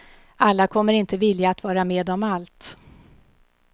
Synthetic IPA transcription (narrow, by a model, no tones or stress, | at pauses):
alːakʰɔmːəɾɪnt̪əvɪljaːt̪vɑːɾameːd̪ɔmalt̪